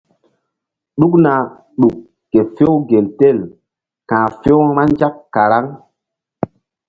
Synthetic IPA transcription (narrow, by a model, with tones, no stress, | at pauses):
ɗu˦k̚na˨ | ɗu˨kː | e˨fo˦wɡe˨lte˦˨l | kãː˨fo˦ŋma˦nd͡ʒa˦kːa˨ɾa˦ŋ